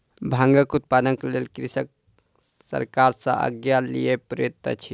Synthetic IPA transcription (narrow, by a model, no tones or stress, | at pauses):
bʱãŋɡəkut̪̚panəŋkelelkɾisək̚ | sə̰ɾkaɾsə̰̃ʔə̰ɡjalḭjepɾəjot̪ə̰t͡ʃʰi